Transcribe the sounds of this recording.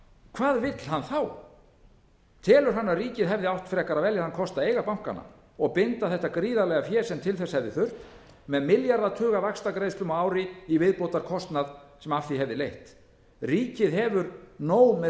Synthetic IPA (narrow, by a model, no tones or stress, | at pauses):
kʰvaːðvɪt̪l̥hanθaw | t̪ʰɛːlʏɾ̥ɦanːaðriːcɪðɦɛvðɪawht̪fɾɛkaɾavɛljaɾhankʰɔst̪aeːjɣapawŋ̥ka̰nːa̰ | ɔɣpɪnt̪aθɛht̪ːakɾiːðalɛɣafjɛːsɛmt̪ʰɪlθɛsːahɛvðɪθʏr̥t̪ | mɛðmɪljaɾðat̪ʰœːɣavakst̪akɾejsplʏmɔaːwɾɪivɪðpowt̪aɾkʰɔst̪naðsɛmafɪɦɛvðɪlejht̪ | riːcɪðɦɛvʏɾnoːwmɛ